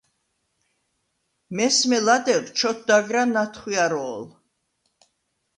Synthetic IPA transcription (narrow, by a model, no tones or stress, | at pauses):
mɛsmɛlad̪ɛɾt͡ʃʰɔt̪̚ʰd̪aɡɾanat̪ʰχwiaɾɔːl